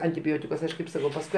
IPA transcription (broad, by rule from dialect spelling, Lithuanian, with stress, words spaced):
ɐnʲtʲɪˈbʲoːtʲɪkʊs ˈɐʃ kɐɪp ˈsɑːkɐʊ pɐsˈkʊɪ